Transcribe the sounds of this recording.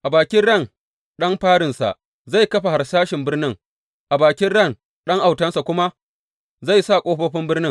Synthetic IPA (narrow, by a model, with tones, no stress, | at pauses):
ʔa˨baː˨kʲɪ˦nɽɐ˦˨n | ɗɐ˦mɸaː˦ɽɪ˨nsa̰˨ʔ | za˦˨jkɐ˦ɸa˨ha˨rsaː˦ʃɪ˨mbɪ˦rnɪ˦ŋ | ʔa˨baː˨kʲɪ˦nɽɐ˦˨n | ɗɐ˦ŋʔa˨wtɐ˦nsa˨kʷʊ˦ma˦ | za˦˨jsa˦˨kʷʼoː˦ɸoː˦ɸɪ˦mbɪ˦rnɪ˦ŋ